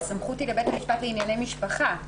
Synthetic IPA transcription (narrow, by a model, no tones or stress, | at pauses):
samχutilebetamiʃpatleinjane̞jmiʃpaχa